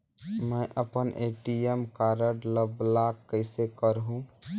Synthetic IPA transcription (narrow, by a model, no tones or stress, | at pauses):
mə̃ʔəpənʔeʈiemkaɾəɖləblakkːəɪsekəɾɦũ